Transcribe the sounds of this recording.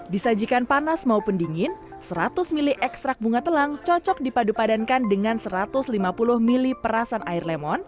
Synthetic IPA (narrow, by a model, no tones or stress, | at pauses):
disad͡ʒikanpanasmaupundiŋɪn | səɾat̪ʊsmilɪhʔɛkst̪ɾak̚buŋat̪əlaŋt͡ʃɔt͡ʃɔk̚dipadupadankandəŋansəɾat̪ʊslimapulʊhmilipəɾasanaɪrlemɔn